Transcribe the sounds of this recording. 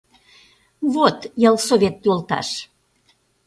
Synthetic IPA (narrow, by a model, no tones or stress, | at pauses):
βot̪jəlˠsoβʲet̪ːyolt̪ɑ̰ʃ